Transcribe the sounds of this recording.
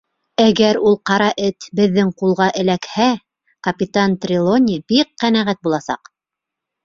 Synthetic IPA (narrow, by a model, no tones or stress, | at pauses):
æɡæɾulˠqɑɾɑʔɘt̪bɘ̆ðːɘŋqulˠʁɑʔɘ̆lækhæ | kɐpʲɪt̪ant̪rʲɪlˠonʲibiqːænæʁæt̪̚bulˠɑsɑ̰q